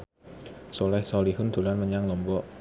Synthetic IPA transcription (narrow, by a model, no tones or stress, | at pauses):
solɛhsɔliɦʊnd̪̥ṳlanməɲaŋlɔmbɔʔ